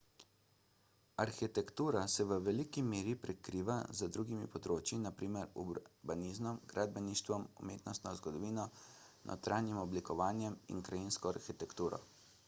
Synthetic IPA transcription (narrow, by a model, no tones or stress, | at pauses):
aɾxit̪ɛkt̪uːɾasɛʋəʋɛlikimeːɾipɾɛkɾiːʋazəd̪ɾuːɡimḭpɔd̪ɾoːt͡ʃinapɾiːmɛɾṵbaniːzmɔmɡɾʔad̪bɛniʃt̪ʋɔmumeːt̪nɔst̪nɔzɡɔd̪ɔʋiːnɔ | nʔɔ̰t̪ɾaːnjimɔblikɔʋaːnjɛmḭnkɾajinskɔaɾxit̪ɛkt̪uːɾɔ̰